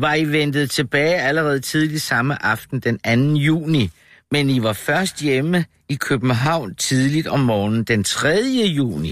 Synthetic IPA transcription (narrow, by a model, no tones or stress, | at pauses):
ʋɑ̈iʋend̥ð̩ˠt͡sʰe̝b̥ɛːɪæləʁɛːð̞̩ˠt͡sʰið̞ˠli̥sɑ̈məʔɑ̈fd̥n̩d̥enænn̩jṵːni | meniʋɑ̈fɶɐsd̥jemə | ikʰøb̥n̩ɦɑ̈ʊ̰nt͡sʰið̞ˠlid̥ɒ̽mːɒːnn̩d̥ent͡sʰʁɛðˠjəjṵːni